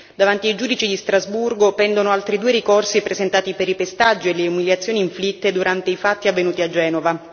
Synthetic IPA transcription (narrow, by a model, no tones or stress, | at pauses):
d̪avant̪iaid͡ʒuːd̪it͡ʃid̪ist̪ɾazburɡopɛnd̪onoalt̪ɾid̪uːeɾikorsipɾezent̪aːt̪ipeɾipest̪ad͡ʒːieleumiljat̪sːjoːniːɱflit̪ːed̪uɾant̪eifat̪ːiavːenuːt̪iad͡ʒːɛːnova